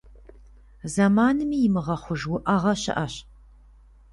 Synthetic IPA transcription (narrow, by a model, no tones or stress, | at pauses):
zɐmaːnɨmiːjɪmɨʁɐχʷʊʒwʊʔɐʁɐɕɪ̰ʔɐɕ